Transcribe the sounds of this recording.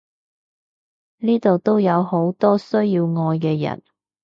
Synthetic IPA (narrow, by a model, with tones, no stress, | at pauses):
niː˥t̪o˨wt̪o˥wjɐ˨˧who˨˥wt̪ɔː˥sɵ˥ɥjiː˧wŋɔː˧jkɛː˧jɐ̰˨˩n